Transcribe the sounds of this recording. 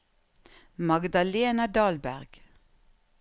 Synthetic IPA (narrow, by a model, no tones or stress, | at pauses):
mɑɡd̪ɑleːnɑd̪ɑːlbæ̰ʁɡ̥